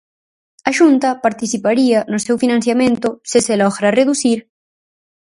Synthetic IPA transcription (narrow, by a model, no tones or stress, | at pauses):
ɐʃunt̪ɐpaɾt̪iθipaɾiɐnʊsewfinãnθjamẽnt̪ʊsɪselɔɣɾareðuθiɾ